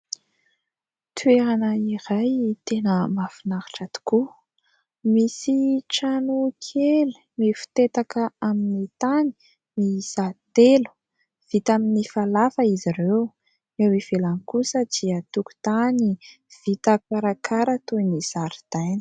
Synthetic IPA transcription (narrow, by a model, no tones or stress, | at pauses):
t̪ʰueɾanəiɾajt̪enəmafinaɾḁʈ͡ʂat̪u̥ku | misiʈ͡ʂanukʰelu | mifu̥t̪et̪akəaminit̪ani̥ | misat̪elu̥ | v̥it̪aminifalafəiziɾew | ewiv̥elanikusəd̪̥iət̪uku̥t̪ani | v̥it̪akaɾakʰaɾət̪uniz̥aɾid̪̥ajn̥ə̥